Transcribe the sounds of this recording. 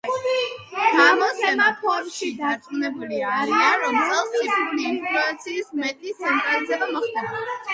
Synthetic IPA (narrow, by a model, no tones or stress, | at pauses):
ɡamɔsɛmapʰɔɾmʃid̪at̪sʼunɛbuliɾiaɾɔsɛlˠsisupʰliːnpʰɾɔat̪sʰiːsmɛt̪ʼlisːamtʼɾalizɛbamɔχt̪ʰʼaɾɛa